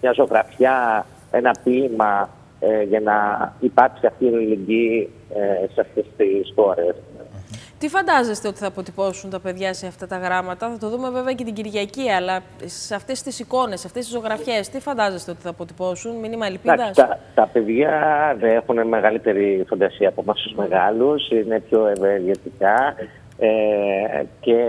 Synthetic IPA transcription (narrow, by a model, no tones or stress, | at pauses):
mɲɐzo̞ɣɾɐfçɐ | e̞nɐpimɐ | eʝɐnɐipɐɾksiɐft̪inileɟi | eseɐft̪e̞st̪isxo̞ɾes | t̪ifɐnd̪ɐze̞st̪e̞o̞t̪i̥θɐːpo̞t̪ipo̞sunt̪ɐpe̞ðʝɐse̞ɐft̪ɐt̪ɐɣɾɐmɐt̪ɐθɐt̪o̞ðume̞ve̞veɐcet̪iɟiɾʝɐciɐlɐ | seɐft̪e̞st̪isiko̞ne̞sːɐft̪est̪izo̞ɣɾɐfçe̞st̪ifɐnd̪ɐze̞st̪eot̪iθɐːpo̞t̪ipo̞sunminimɐlipiɐðɐst̪ɐt̪ɐpe̞ðʝɐðeexuneme̞ɣɐlit̪e̞ɾifond̪ɐsiɐːpomɐssuzme̞ɣɐlusine̞pço̞eveɾʝet̪ikɐ | e | ce